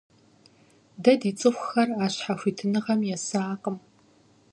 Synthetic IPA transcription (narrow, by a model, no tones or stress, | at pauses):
dɐdiːt͡sʼɨxʷʊxɐraːɕħaxʷiːtʰɨnɨʁɐmjɛsaːqʼəm